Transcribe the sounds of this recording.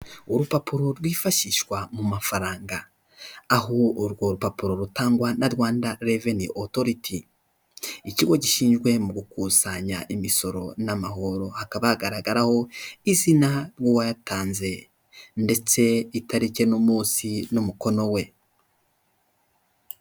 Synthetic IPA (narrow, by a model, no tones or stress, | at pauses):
uɾupapuɾo̞ɾwifaʃiʃwamumafaɾaːŋɡaː | ɦoɾɡo̞ɾupapuɾo̞ɾutaːŋɡwanaɾwaːndaɾeveniʔotoɾitʰi | iciɡo̞ɟiʃiːnʒɡwe̞muɡukusaɲa̰ʔimiso̞ɾo̞̰namaho̞ɾo̞hakaβahaɡaɾaɡaɾaho̞izinaɾwuwajataːnze̞ | nde̞t͡se̞itaɾice̞nomuːsinumuko̞no̞we̞